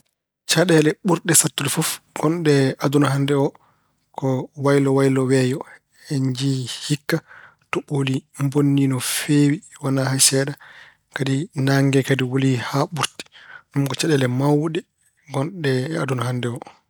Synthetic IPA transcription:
t͡ʃaɗɛlɛɓuɾɗɛsatːulifɔfɡ̥ɔnɗɛadunaɦandɛɔ | kɔwajlɔwajlɔwɛjɔ | heɲd͡ʒihikːa | tɔɓolimbonːinɔfewiwanahasɛɗa | kadinaŋɡɛkadiwolihaɓuɾti̥numkɔt͡ʃaɗɛlɛmawɗɛ | ɡɔnɗɛadunaɦandɛɔ

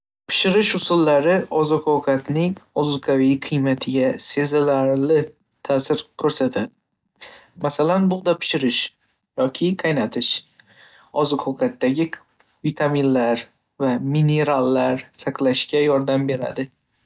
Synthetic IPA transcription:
pʰɪ̥ʃɪɾɪʃʊsʊlːaɾɪɒzɪqʰowkʰat̪nɪŋɒzqʰavijqʰɨjmat̪ʰɪɡʲase̞zɪlaɾlɪ | t̪ʰasɪɾkʲʰɵɾsat̪ʰad̪ɪ | masalanbʊlˠd̪apʰɪ̥ʃɪɾɪʃ | jɒkʲʰɪqʰajnat̪ʰɪʃ | ɒzɨqʰowkʰat̪ːaɡʲɪ | vit̪ʰaminlaɾ | vamine̞ɾalːaɾsaqlaʃkʲajɒɾd̪ambe̞ɾa̰d̪ɪ

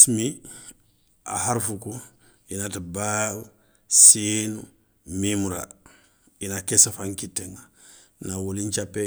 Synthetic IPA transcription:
smi | a̰haɾfuku | inataba | sinu | mimuɾa̰ | inakesafaŋkitːeŋa | nawuliɲt͡ʃapːe

